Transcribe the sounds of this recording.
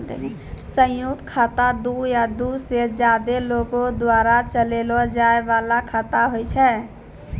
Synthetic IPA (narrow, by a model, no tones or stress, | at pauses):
sə̃jukt̪kʰat̪ad̪ujad̪used͡ʒad̪elokod̪waɾat͡ʃəlelɔd͡ʒaebalakʰat̪aɦojt͡ʃʰɛ